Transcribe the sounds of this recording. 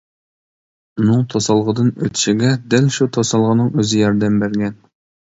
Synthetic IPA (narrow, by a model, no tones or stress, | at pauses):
unɨŋt̪ʰosɑlˠʁəd̪ɨnøt̪ʰɪ̥ʃiɡʲɛd̪ɛlʃut̪ʰosɑlˠʁənɨŋøzɪjɑɾd̪ɛmbæɾɡʲɛn